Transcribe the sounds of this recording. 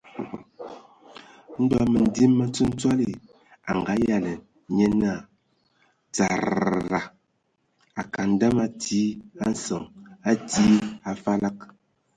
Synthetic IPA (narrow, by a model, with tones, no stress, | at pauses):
n̩˦dɔ˦mə˨n̩˨di˦mːə˦t͡sə˦n̩˦t͡swa˦li˨ | a̰˨ŋ˨ɡa˨˦ja˦˨lə˨˦ | ɲe˦na˦˨ | t͡sa˨ɾɾa˨ | a˨ka˨n̩˦da˦ma˦ti˦a˦n̩˦sə˨ŋa˦ti˦a˨fa˦la˦k̚